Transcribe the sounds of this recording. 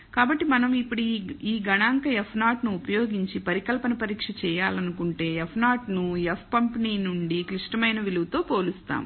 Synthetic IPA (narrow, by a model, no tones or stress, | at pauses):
kaːbɐʈːimɐnɐmipːuɽiiːɡɐɳaːŋkɐɛpʰnaːʈnuːpɐjo̞ːɡiɲt͡ʃipɐɾikɐlpɐnɐpɐɾiːkʂɐt͡ʃɛːjaːlɐnukuɳʈe̞ːepʰnaːʈnujepʰpɐmpniːnuɳɖikliʂʈɐmɐjnɐʋiluwut̪o̞ːpo̞ːlust̪a̰ːm